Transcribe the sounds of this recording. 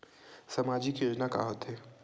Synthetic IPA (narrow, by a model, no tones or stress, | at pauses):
səmaːd͡ʒɪkjoːd͡ʒnaka̰ːɦət̪ɦɛː